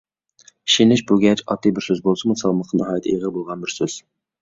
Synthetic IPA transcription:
ʃinɪʃbuɡʲɛt͡ʃʰɑ̰t̪ːɨbɪɾsøzbolˠsɨmusɑlˠməqːənɨɦɑːjt̪ʰjiʁəbolˠʁɑnbɪɾsøz̥

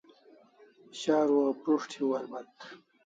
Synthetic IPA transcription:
ɕaːɾwapɾuʂʈʰiwɐlbɐt̪

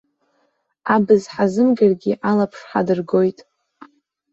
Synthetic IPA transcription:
abɨzħazɨmɡʲarɡʲiʔalapʰʂħadɨrɡo̞jtʼ

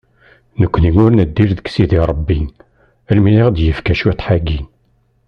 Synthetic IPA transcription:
nəkʷːninʊɾnəd̪ːiɾðəksiðiɾˤəbːin | ælmiliʁd̪jəfkæʃit̪ˤħaɡin

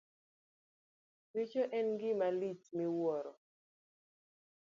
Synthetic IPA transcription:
tit͡ʃoʔɛnɡɪmalit͡ʃmiwɔɾɔ

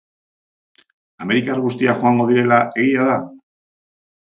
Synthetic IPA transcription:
ame̞ɾikaɾɣust̪iaxoaŋɡo̞ð̞iɾe̞laʔe̞ɣiaða

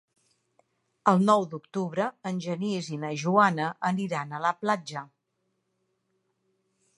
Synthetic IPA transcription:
əlˠnɔwd̪ukt̪uβɾəːnʲʒənizinəʒuanəʔəniɾanələplad͡ʒə

